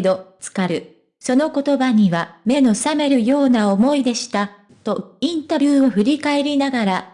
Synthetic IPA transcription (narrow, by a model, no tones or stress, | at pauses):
d̪o̞t͡sɨ̥kaɾɯ̟ | so̞no̞ko̞t̪o̞baɲ̟iβame̞no̞same̞ɾɯ̟jo̞ːnao̞mo̞id̪e̞ɕi̥t̪a | t̪o̞ĩnt̪abʲjɨːo̞ɸɯ̟ɾʲikae̞ɾʲinaɡaɾa